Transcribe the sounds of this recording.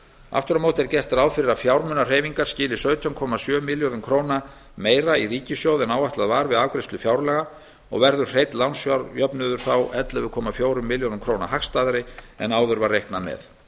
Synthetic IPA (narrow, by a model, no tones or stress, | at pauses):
a̰ft̪ʏɾamowt̪ɛɾcɛr̥t̪aɾaːwfɪɾɪɾaðfjawɾmʏnar̥eːjviŋkaɾ̥scɪːlɪsœɥt̪ʰjɔnkʰɔmasjœːmɪljoðʏmkʰɾoːwna | meːjɾairiːcɪsjowðɛnaːwaht̪aðvaːɾvɪðaːvkɾɪst̪lʏfjawɾlɛɣa | ɔ̰ɣvɛɾðʏ̥r̥ejt̪lawnsjawɾjœpnʏðʏɾ̥θawʔɛt̪lɪvɪɾkʰɔːmafjoːwɾʏmːɪljonʏmkʰɾowna̰haxst̪aːðɾɪɛ̰naːwðʏɾvarejhknamɛ̰θ